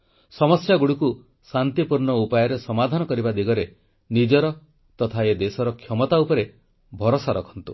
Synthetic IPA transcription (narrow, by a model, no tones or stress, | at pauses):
sɔmɔsjaɡuɽuku | sant̪ipuɾɳɔupajɔɾesɔmad̪ʱanɔkɔɾibad̪iɡɔɾe | nid͡ʒɔɾɔ | t̪ɔt̪ʰaed̪esɔɾɔkʰjɔmɔt̪aupɔɾe | bʱɔɾɔsaɾɔkʰɔ̥nt̪u